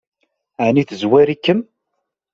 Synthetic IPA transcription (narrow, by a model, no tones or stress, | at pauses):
aʕniθəzwæɾikːəm